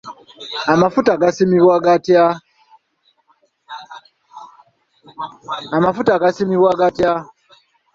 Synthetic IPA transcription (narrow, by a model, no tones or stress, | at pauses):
amafutaɡasimiβwaɡatja | amafutaɡasimiβwaɡatja